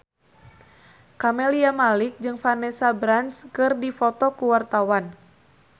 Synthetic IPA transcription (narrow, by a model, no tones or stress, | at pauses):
kamɛliamalik̚d͡ʒɨŋfanɛsabɾanskɨrdifɔt̪ɔkuwart̪awan